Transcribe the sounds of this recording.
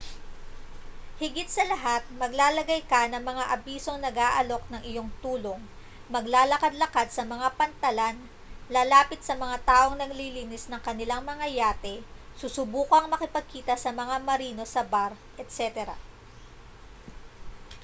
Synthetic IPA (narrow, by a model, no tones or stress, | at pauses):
hɪɡɪt̪sɐlɐɦat̪̚mɐɡlaːlɐɡajkɐnɐŋmɐŋaʔɐbiːso̞ŋnɐɡaːʔɐlo̞k̚nɐŋʔɪjo̞ŋt̪uːlo̞ŋ | mɐɡlaːlɐkad̪lɐkad̪̚sɐmɐŋapɐnt̪ɐlan | laːlaːpɪt̪̚sɐmɐŋat̪aːʔo̞ŋnɐɡliːliːnɪsnɐŋkɐnɪlaŋmɐŋɐjaːt̪ɛsusʊbuːkɐŋmɐkɪpɐɡ̚kiːt̪ɐsɐmɐŋamɐɾiːno̞sɐbaɾ | ʔɛt̪̚sɛt̪ɛɾɐ̰